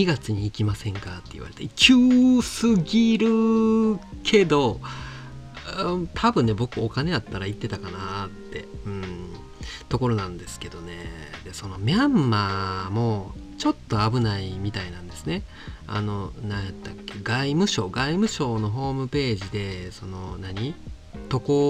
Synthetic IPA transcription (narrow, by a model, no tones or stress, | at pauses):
ɲiɡat͡sɨɲ̟iːkʲimasẽ̞ŋkat̪ːe̞ḭβa̰ɾet̪akʲʰɯːsɨɡʲiɾɯ̟ | kʰe̞d̪o̞ | t̪ʰabɯ̟̃nːe̞bo̞kɯokane̞at̪ːaɾait̪ːe̞t̪akanat̪ːe̞ɯ̟̃ɴ | t̪o̞ko̞ɾo̞nãnd̪esɨ̥ke̞d̪o̞ne̞̰d̪e̞sono̞mʲãmːamo̞ | t͡ɕo̞t̪ːo̞abɯ̟naimʲit̪ainãnd̪e̞sɨne̞ | a̰no̞nãjat̪ːakːe̞ɡaimɯ̟ɕo̞ːɡaimɯ̟ɕo̞ːno̞ɦo̞ːmɯ̟pe̞ːʑid̪e̞so̞no̞naɲ̟i | t̪o̞ko